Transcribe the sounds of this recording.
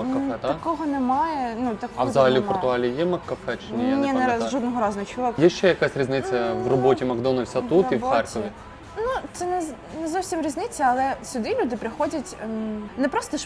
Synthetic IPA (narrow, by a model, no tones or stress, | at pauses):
ɐkːɐfɛt̪ɐkɔɦɔnɛmɑjɛnut̪ɐkɐʋzɐɦɐlʲiwpɔrt̪ʊɑlʲijɛmɐkːɐfɛt͡ʃɪnʲijnʲinɛʒɔd̪nɔɦɔɾɑzɐnɐt͡ʃɔɔkjɛʃt͡ʃɛjɐkasʲɾʲiznɪt͡sʲːɐʋrɔbɔtʲimɐɡd̪ɔnɐlʲsʲɐt̪ut̪iwxɛrkɔʋʲi | nut̪sɛnɛ | nɛzɔwsʲimɾʲiznɪt͡sʲːɐɐlˠɛsʲʊd̪ɪlʲud̪ɪpɾɪxɔdʲɐtʲnɛpɾɔst̪ɔʃ